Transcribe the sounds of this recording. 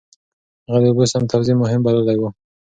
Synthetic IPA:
aɣad̪ebusamt̪ʰawzimʊɦɪmbalalawu

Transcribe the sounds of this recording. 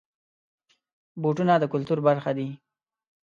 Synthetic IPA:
boʈunad̪əkʊlt̪uɾbaɾxad̪i

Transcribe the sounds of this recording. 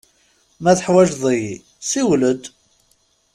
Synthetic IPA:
mæθəħwæʒðˤiji | siwləd̪

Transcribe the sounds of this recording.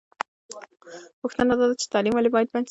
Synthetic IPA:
puxt̪ənad̪ɑd̪at͡ʃe̥t̪ɑlimwalebɑjad̪̚bans

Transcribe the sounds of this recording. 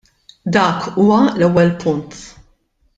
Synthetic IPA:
d̪ɐːkuːwɐlɛwːɛlpʰʊnt̪

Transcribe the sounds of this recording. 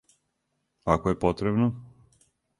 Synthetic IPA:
akoɛpot̪ɾɛbno

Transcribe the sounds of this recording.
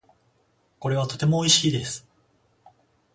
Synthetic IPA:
ko̞ɾe̞βat̪o̞t̪e̞mo̞ːiɕiːd̪e̞sɨ̥

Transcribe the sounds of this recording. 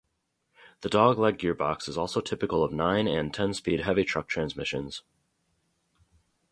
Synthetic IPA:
ðɨdɔɡlɛɡɪɹbɑksɨzɔlˠsoʊtʰɪpɨkl̩ˠʌvnãɪ̃nɨ̃ntʰɛ̃nspid̚ɦɛvitʰɹ̥ʌk̚tʰɹ̥æ̃nzmɪʃɨ̰̃nz̥

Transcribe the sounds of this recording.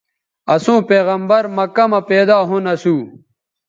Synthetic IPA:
ɐsũːpeːɣɐmbɐɾmɐkɐmɐpeːd̪aːɦunɐsuː

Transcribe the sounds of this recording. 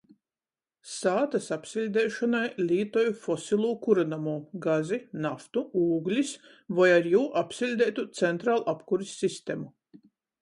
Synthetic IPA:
saːt̪asapsilʲd̪ɛːʃɔnajlʲiːt̪ɔjufɔsilˠuːkuɾanamuːɡazinaft̪uuːɡlʲis | vajaɾjuːʔapsilʲd̪ɛːt̪ut̪sɛnt̪ɾaːlˠʔapkuɾisʲːist̪emu

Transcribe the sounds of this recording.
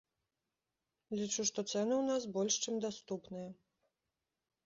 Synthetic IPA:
lʲit͡ʂuʂt̪ɔt̪sɛnɨwnasbɔlʲʂt͡ʂɨmd̪ast̪upnɨjɐ

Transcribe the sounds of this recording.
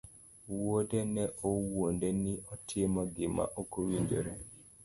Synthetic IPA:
wodɛnɛʔowondenɪʔɔtʰɪmɔɡɪma̰ʔokowiɲd͡ʒo̰ɾe

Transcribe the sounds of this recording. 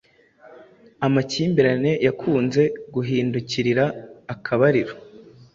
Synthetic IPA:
amaciːmbiɾane̞jakʰuːnze̞ɡuɦiːnduciɾiɾaːkʰaβaɾiɾo

